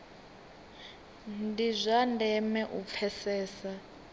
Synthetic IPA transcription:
ndizʷandʱɛmɛʔup̪fʰɛsɛːsa

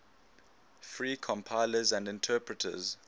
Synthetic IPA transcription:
fɹiːkʰɔ̃mpʰaɪləzæ̃ndɪ̃ntʰɛːpɹətʰə̰z

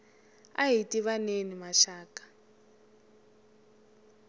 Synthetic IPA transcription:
a̰ɦitʼiβanenimaʃaːkʼḁ

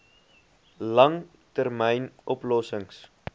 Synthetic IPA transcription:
lɐŋ | tərmɛjnʔɔplɔsəŋs

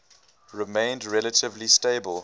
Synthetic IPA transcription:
ɹɪmẽɪ̃ndɹɛlətʰɪvlisteɪbəlˠ

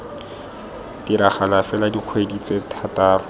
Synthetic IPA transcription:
diɾaχalafɛladiq͡χʰwedit͡setʰataːrʊ

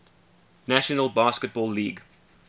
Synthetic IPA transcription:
næʃənəlbɑːskət̚bɔːlːiːɡ

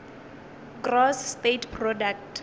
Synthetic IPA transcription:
ɡrɔsːtetpʰrɔdaktʰ

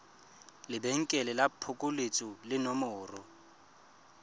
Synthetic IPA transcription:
lɪbeŋ̩kʼɛlɪlapʰʊkʼʊlet͡sʼʊlɪnɔmʊːrʊ

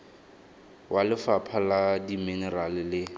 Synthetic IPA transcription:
wʔalɪfapʰaladiminɛralɪlɪ

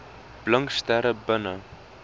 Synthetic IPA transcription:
b̥ləŋkstæɾəbənə

